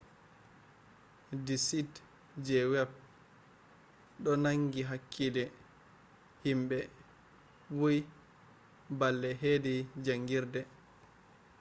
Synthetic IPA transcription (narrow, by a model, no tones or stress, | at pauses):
disit | d͡ʒɛwɛb̚ | ɗɔnaŋɡiɦakʰːidɛ | himbɛ | wuj | balːɛɦedid͡ʒaŋɡiɾdɛ